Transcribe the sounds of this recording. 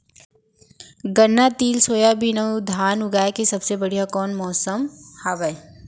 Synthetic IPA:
ɡɐnːat̪iːlsoːjabʱinəud̪ʱaːnʊɡaːekesɐbsebɐɽ̤ijakɔːnmɔːsəmhaːbəe

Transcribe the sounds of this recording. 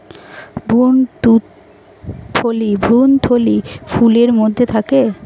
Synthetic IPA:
bunt̪u | t̪ʰolibʱɾunt̪ʰolifuleɾmod̪ʱːet̪ʰake

